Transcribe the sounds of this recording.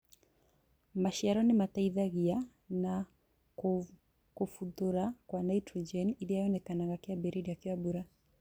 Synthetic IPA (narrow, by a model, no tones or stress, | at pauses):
maʃiaɾɔnɪmataiðaɣia | na | kofuðoɾakwanaitɾɔd͡ʒɛnidiajɔnɛkanaŋɡakeabɛɾiɾiakiwabuɾa